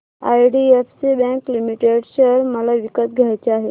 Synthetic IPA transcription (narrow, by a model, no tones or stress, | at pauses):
a̰jɖiefsibɛ̃klimiʈeɽɕeɾməlaʋikət̪̚ɡʱajt͡ɕeaɦe